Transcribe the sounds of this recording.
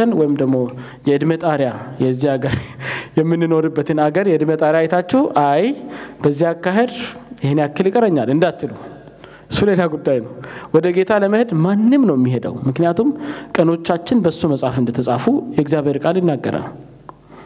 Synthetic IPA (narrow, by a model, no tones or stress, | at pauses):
ənwɔjɪmd̪əɡmo̞ | jɛɨd̪mət̪ʼaɾjajɛzːiaɡəɾjɛmːɨnːɨno̞ɾɨbːət̪ʰɨnaɡəɾjɛɨd̪mət̪ʼaɾjajɛt̪ʰat͡ʃːɛhʔajbəzːihakːaɦe̞d̪jɪhnjakːɨljikʼəɾəɲːalɨnd̪at̪ːɨlu | ɨsːulelaɡud̪ːajnəwwɔd̪əɡe̞t̪ʰaləməhɨd̪manːɨmnəwɛmːiɦed̪ə̰wmɨknijat̪ʰumkʼəno̞t͡ʃːat͡ʃːɪnbəsːuməsʼafɨnd̪ət̪ʰəsʼafujɛɪɡzjaβheɾkʼaljɪnːaɡːə̰ɾa̰l